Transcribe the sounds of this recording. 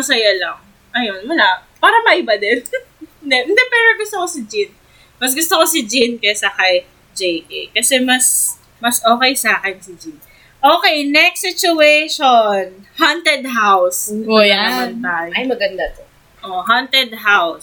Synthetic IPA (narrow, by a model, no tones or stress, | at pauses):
mɐsɐjalɐŋ | ʔɐjo̞nwɐlaʔpaːɾɐmɐʔɪbad̪ɛnɪnd̪ɛʔɪnd̪ɛpɛɾoɡʊst̪okosɪd͡ʒin | mɐs̬ɡʊst̪okosɪd͡ʒinkɐsɐkɐj | d͡ʒɛjkɛ̰kɐsɛmɐs | mɐsʔoːkɛjsaːkɛnsɪd͡ʒin | ʔoːkɛjnɛksɪt͡ʃʊejʃonhɐnt̪ɛd̪̚ɦawsjaaɐnt̪aːjɐjmɐɡɐnd̪at̪o | ʔoɦɐnt̪ɛd̪̚ɦaws